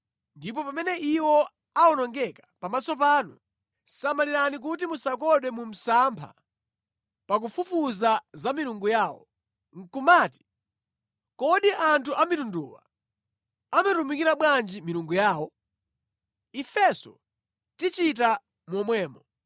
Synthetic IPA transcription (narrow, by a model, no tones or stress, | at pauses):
ndip̬ɔpamɛnɛʔiwɔ | aɔnɔŋɡɛkḁpamasɔp̬aːnu | samaliɾanik̬utimusakɔɗwɛmum̩sampʰa̰ | pak̬ufufuzazamiɾuŋɡujaːwɔ̰ | ŋ̩kumaːti̥ | kɔɗiʔantʰuʔamitunduːwa̰ | amatumikiɾaɓwand͡ʒimiɾuŋɡujaːwɔ | ifɛsɔ | tit͡ʃit̬a | mwɔmwɛːmɔ